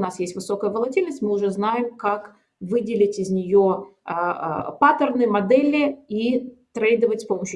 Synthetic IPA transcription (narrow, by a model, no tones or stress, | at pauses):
nasjesʲtʲvɨso̞kəjəvəlˠɐtʲilʲnəsʲtʲmɨʊʐɛznajɪmkak | vɨdʲɪlʲɪtʲɪzʲnʲɪjo̰ | pat̪ərnɨjəmɐd̪ɛlʲɪit̪ɾejd̪əvətʲspoməɕːʊ